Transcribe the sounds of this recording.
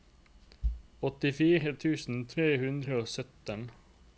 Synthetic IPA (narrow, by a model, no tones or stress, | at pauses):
ɔt̪ɪfiːɾət̪ʰʉːsn̩t̪ʰɾeːhʉnd̪ɾəoːsœt̪ən